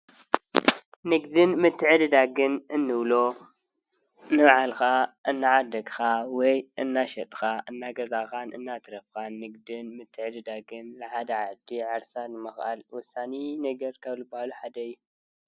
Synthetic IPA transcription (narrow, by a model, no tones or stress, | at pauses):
nɨɡd̪ɨnmɨt̪ʰːɨʕɨd̪ɨd̪aɡɨnɨnːɨβlo | nɨmaʕalxaʔɨnːaʕad̪ɐɡʼxawɔjʔɨnːaʃɐt̪ʼxaʔɨnːaɡɐzaxanɨ̰nːat̪ʰɨɾɐfkanːɨɡd̪ɨnmɨt̪ʰːɨʕɨd̪ɨd̪aɡɨnlɨħad̪ɐʕad̪iʕaɾsanɨmɨxʔa̰lwʊsːaninɐɡɐɾkʰɐβlɨbahaluħad̪ɐɨjːu